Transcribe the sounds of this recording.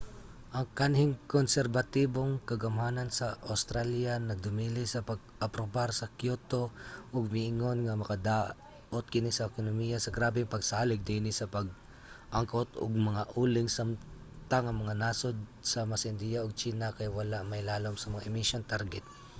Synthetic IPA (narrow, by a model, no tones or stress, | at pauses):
ʔɐŋkanhɪŋkonsɛɾbɐt̪iboŋkɐɡɐmhaːnansɐʔawst̪ɾaljanɐd̪ʊmiːlɪsɐpɐɡ̚ | ɐpɾobaɾsɐkjot̪o̞ʔoɡ̚mɪʔɪŋonŋɐmɐkad̪a | ʔot̪̚kɪnɪsɐʔɛkonomijasɐɡɾaːbɪŋpɐɡsaːlɪɡ̚d̪inɪsɐpɐɡ̚ | ʔaŋkot̪o̰ɡ̚mɐŋaʔuːlɪŋsam | t̪aŋɐŋmɐŋanasod̪̚sɐmasɪnd̪ijaʔoɡ̚t͡ʃiːnakajwɐlaʔmajlaːlomsɐmɐŋaʔɪmɪsont̪aɾɡɛt̪̚